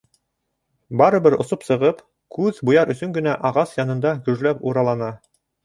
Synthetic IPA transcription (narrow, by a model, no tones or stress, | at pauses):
bɑɾɤ̆βɘɾŏ̰sopsɤ̆ʁɤp | kʉðbujɑɾɵ̆sɵŋɡɵ̆næʔɑʁɑsjɑnɤ̆nd̪ɑkɵ̆ʒlæpuɾɑlˠɑnɑ